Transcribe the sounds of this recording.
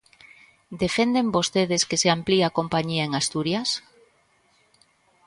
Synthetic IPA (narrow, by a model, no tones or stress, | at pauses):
d̪efend̪embost̪eðeskeseampliakompaɲiaeŋast̪uɾjas